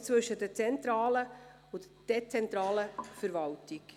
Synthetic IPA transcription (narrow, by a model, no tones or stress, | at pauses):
t͡svɵʃədət͡sɛntɾɑːlə | ʊt | d̥ɛt͡sɛntɾɑːləfəɾvɑltɪk